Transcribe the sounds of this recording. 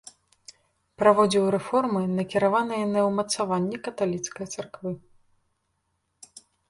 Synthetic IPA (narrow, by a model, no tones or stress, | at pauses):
pɾavɔd͡zʲiwɾɛfɔrmɨnɐkʲiɾavanɨjɐnɐwmɐt̪savanʲːɛkɐt̪alʲit̪skɐjt̪sarkvɨ